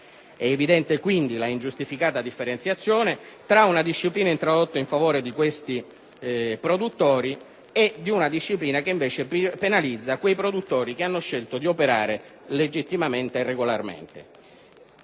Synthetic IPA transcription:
ɛːvid̪ɛnt̪ekwind̪ilaind͡ʒust̪ifikaːt̪ad̪ifːeɾent̪sjat̪sːjoːnet̪ɾaunad̪iʃːipliːnaint̪ɾod̪ot̪ːaiɱfavoːɾed̪ikwest̪i | pɾod̪ut̪ːoːɾi | ed̪iunad̪iʃːipliːnakeiɱveːt͡ʃepenalid̪zːakwejpɾod̪ut̪ːɔːɾikeanːoʃelt̪od̪iopeɾa̰ːɾeled͡ʒit̪ːimament̪eːrːeɡolarmḛnt̪ḛ

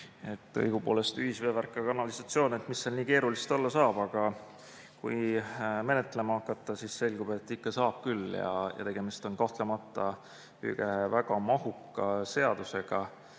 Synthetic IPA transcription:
e̞t̪ˑːɤ̰jɡ̥upo̞ːle̞st̪yhisve̞ːværkːˑɑkɑnɑlisɑt̪sio̞ːne̞t̪misːelniːke̞ːɾulist̪olːɑsɑːb̥ɑɡ̥ɑ | kṵjme̞net̪ːˑle̞mɑɑkːˑɑt̪ːˑɑsisːe̞lʲɡ̥ub̥e̞t̪ːˑikːɑsɑːb̥̚kylːjɑ̰jɑ̰t̪e̞ɡ̥e̞mist̪o̞nkɑht̪lemɑt̪ːˑɑ | y̰ɡ̥evæɡ̥ɑmɑhukːˑɑse̞ɑd̪̥use̞ɡ̥ɑ

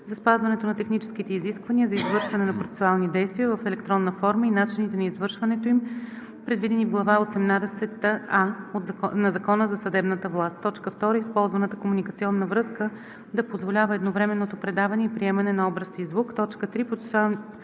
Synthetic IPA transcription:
zɐspazvɐnɛt̪onɐt̪ɛxnit͡ʃɛ̥sk̟it̪ɛiziskvɐniəzɐizvɤɾʃvɐnɛnɐpɾot̪ɛ̥sualˠnid̪ɛjst̪vʲiəvɐfɛlɛk̚t̪ɾɔnːəfɔɾməinat͡ʃinit̪ɛnɐizvɤɾʃvɐnɛt̪oim | pɾɛd̪vid̪ɛnivɡlˠɐvaosɛmnad̪ɛsɛt̪aot̪nɐzɐkɔnəzɐsɐd̪ɛbnət̪əvlˠast̪ːɔt͡ʃkəft̪ɔɾəispɔlˠzvɐnət̪ə̥komunikət̪siɔnːəvɾɤskə | d̪ɐpozvolʲavəɛd̪novɾɛmɛnːot̪opɾɛd̪avɐnɛipɾiɛmɐnɛnɐɔbɾəsiːzvukt̪ɔt͡ʃkət̪ɾipɾot̪sɛ̥salˠn

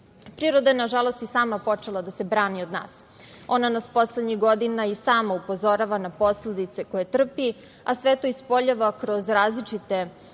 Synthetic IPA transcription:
pɾiːɾo̞d̪ajenaʒalˠo̞st̪isaːmapo̞t͡ʂe̞lˠad̪ase̞bɾaːnio̞d̪na̰ːs | o̞nanaspo̞sled̪ɲiɣɡo̞d̪inaisaːmaupo̞zo̞ɾaʋanapo̞sled̪it̪se̞ko̞jet̪r̩pi | asʋe̞t̪o̞ispo̞ʎaʋakɾo̞zɾaːzlit͡ʂit̪e̞

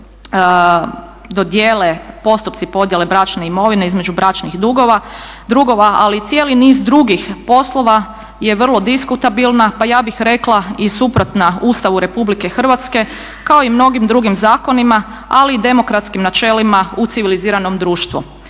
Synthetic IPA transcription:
d̪od̪jeːlepo̞st̪upt̪sipo̞d̪je̞le̞bɾat͡ʃne̞imo̞ʋineizme̞d͡ʒubɾat͡ʃnixd̪uɡo̞ʋad̪ɾuɡo̞ʋaa̰lit̪sje̞ːliniːzd̪ɾuɡixpo̞slˠo̞ʋa | je̞ʋr̩lˠo̞d̪iskut̪abilˠnapajaːbixɾe̞klˠaisupɾo̞t̪nauːst̪aʋuɾe̞publike̞xr̩ʋat̪ske̞ | kao̞imno̞ɡimd̪ɾuɡimzaːko̞nima | aliːd̪e̞mo̞kɾat̪skimnat͡ʃe̞limaut̪siʋiliziːɾano̞md̪ɾuːʃt̪ʋu

